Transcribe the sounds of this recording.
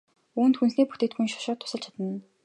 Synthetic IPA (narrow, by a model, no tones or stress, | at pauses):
uːnt̪xunsniːpu̥t̪eːkt̪ɡujnʃɔ̥ʃɔːt̪ʰːʊ̥sə̆ɮt͡ɕʰḁt̪ə̆n